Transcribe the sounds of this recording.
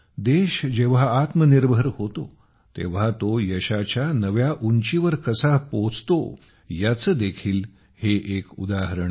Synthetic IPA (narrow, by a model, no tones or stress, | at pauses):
d̪eɕd͡ʑeʋ̤aːt̪məniɾbʱəɾhot̪o | t̪ḛʋ̤at̪ojəɕat͡ɕjanəʋjaʔuɲt͡ɕiʋəɾkəsapot͡st̪o̰ | jat͡səːd̪ekʰiːl | heʔekṵd̪aɦəɾɳ